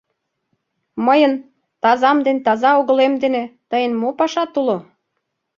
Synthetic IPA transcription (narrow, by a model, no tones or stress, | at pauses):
məjən | t̪ɑzɑmd̪ent̪ɑzɑoɣə̆lemd̪enet̪əjənmopɑʃɑt̪ulo